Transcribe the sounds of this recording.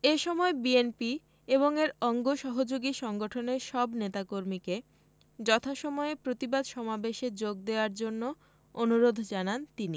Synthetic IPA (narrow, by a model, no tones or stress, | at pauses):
eʃɔmɔebienpi | eβoŋeɾɔŋɡoʃɔɦod͡ʑoɡiʃɔŋɡoʈʰoneɾʃɔbnet̪akoɾmike | d͡ʑɔt̪ʰaʃɔmɔepɾot̪ibad̪ʃɔmabeʃed͡ʑoɡ̚d̪eoaɾd͡ʑonːo | onuɾod̪ʱd͡ʑanant̪ini